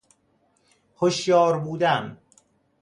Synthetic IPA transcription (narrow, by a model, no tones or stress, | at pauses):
hoʃjɒːɾbuːd̪æm